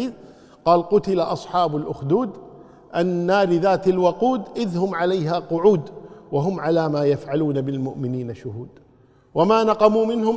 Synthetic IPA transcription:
iː | qɑːlqʊt̪ɪlaʔɑsˤħɑːbʊlʔʊxd̪uːd̪ | ʔanːaːɾɪðaːt̪alwɑquːd̪ʔɪðhʊmʕalajɦaːqʊʕuːd̪waɦʊmʕalaːmaːjafʕaluːnabɪlmʊʔmɪniːnaʃʊɦuːd̪ | wamaːnɑqɑmuːmɪnhʊm

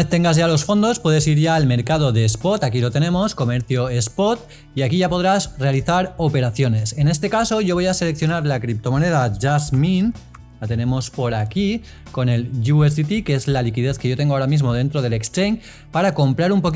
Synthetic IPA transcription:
et̪e̞ŋɡazʝalo̞sfo̞nd̪o̞spwe̞ð̞e̞siɾʝaːlme̞ɾkað̞o̞ðe̞spo̞t̪akilo̞t̪e̞ne̞mo̞sko̞me̞ɾθjo̞espo̞t̪ | iakiʝapo̞ð̞ɾazre̞aliθaɾo̞pe̞ɾaθjo̞ne̞se̞ne̞st̪e̞kaso̞ʝo̞β̞o̞jase̞le̞k̚θjo̞naɾlakɾip̚t̪o̞mone̞ð̞aʝazmin | lat̪e̞ne̞mo̞spo̞ɾaki | ko̞ne̞lʝuesit̪ikeezlalikið̞eθkeʝo̞t̪e̞ŋɡoaoɾamizmo̞ð̞e̞nt̪ɾoð̞ele̞kst̪ɾeŋ | paɾako̞mpɾaɾumpo̞k

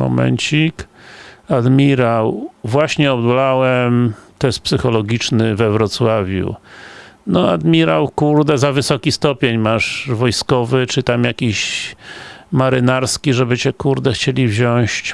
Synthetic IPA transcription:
mɔ̰mɛ̰ɲt͡ɕik | ad̪mʲiɾawvwaɕɲɛɔbd̪lawɛmt̪ɔjɛst̪̚psɘxɔlɔɡʲit͡ʂnɘvɛvɾɔt̪swavʲjṵ | nɔa̰d̪mʲiɾawkuɾd̪ɛzavɘsɔkʲist̪ɔpʲeɲmaʐvɔjskɔvɘt͡ʂɘt̪amjakʲiɕ | maɾɘnaɾskʲiʐɛbɘt͡ɕɛkuɾd̪ɛxt͡ɕelʲivʑɔ̃ɕt͡ɕ

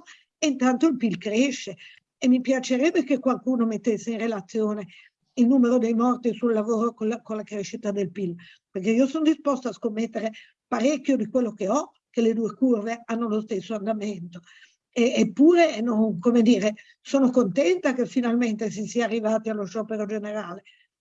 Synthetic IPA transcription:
int̪ant̪oilpilkɾeʃːe | emːipjat͡ʃeɾɛbːekekwalkuːnomet̪ːesːeinrelat̪sːjoːne | ilnuːmeɾod̪ejmɔrt̪isulːavoːɾokoakonlakɾeʃit̪ad̪elpil | perkeiosonod̪ispɔst̪oaskomːet̪ːeɾe | paɾɛkːjod̪ikwelːokeɔ | keled̪uːekurveanːolost̪esːoand̪ament̪o | eːpːuːɾenoŋkomed̪iːɾe | soːnokont̪ɛnt̪akefːinalment̪es̬isiaːrːivaːt̪ialːoʃɔːpeɾod͡ʒeneɾaːle

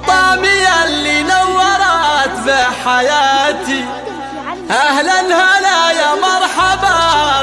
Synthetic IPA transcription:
t̪ˤɑmɪjalinawːɑɾˤɑːt̪baħajaːt̪i | ʔahlalhalaːjamɑɾˤħaba

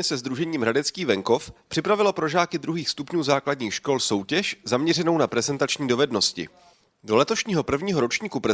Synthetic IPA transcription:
ɛsɛzd̪ɾuʒɛɲiːmɦɾadɛt͡skiːvɛŋko̞fpr̥ɪpɾavɪlopɾo̞ʒaːkɪd̪ɾuɦiːxst̪upɲuːzaːkladɲiːxʃko̞lso̞wcɛʃzamɲɛr̝ɛno̞wnapɾɛzɛnt̪at͡ʃɲiːdo̞vɛdno̞scɪ̰ | do̞lɛt̪o̞ʃɲiːɦo̞pr̩vɲiːɦo̞ɾo̞t͡ʃɲiːkupɾɛ

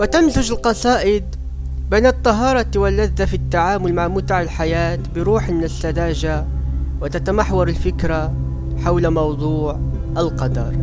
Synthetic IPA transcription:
wɪt̪amzʊd͡ʒɪlqɑsˤɑːʔɪd̪̚ | beːnɨt̪ˤːɑɦɑːɾˤɑt̪awalːaðːafit̪ːaʕaːmʊlmaʕmʊt̪aʕɪlħajaːt̪bɪɾuːħmɪnɪsːad̪aːʒa | wɪt̪at̪amaħwɑɾˤɪlfɪkɾa | ħawlamɑwd̪ˤuːʕʔalqɑd̪ɑ̰ɾˤ

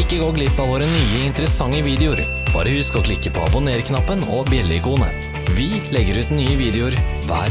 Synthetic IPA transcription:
ɪkːəɡoːɡlɪpːɑʋoːɾənyːəɪnt̪əɾəsɑŋːəʋiːd̪ɛʊɾ | b̥ɑ̰ːɾəhʉskɔkʰlɪkːəpʰɔɑ̰bʊneːɾkʰnɑpːənɔbjɛlːɪkʰuːnə̰ | ʋɪlɛɡːəɾʉːt̪nyːəʋiːd̪ɛʊɾʋæ̰ːɾ

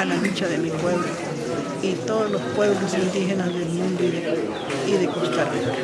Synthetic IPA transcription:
ananit͡ʃaðemipweβlo | it̪oðolospweβlosind̪iɦenasðelmũnd̪oiðe | iðekost̪aɾe

